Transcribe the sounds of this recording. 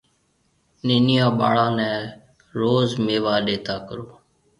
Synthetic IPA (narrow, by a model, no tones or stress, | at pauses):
neːnɪjãːɓa̰ːɽãːnɛ̃ː | ɾoːzmeːʋaːɗeːt̪aːkəɾoː